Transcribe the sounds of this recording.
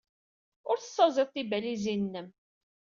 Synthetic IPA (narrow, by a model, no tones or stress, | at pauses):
ʊɾθə̥sːɑzˤɪðˤθibælizinːəm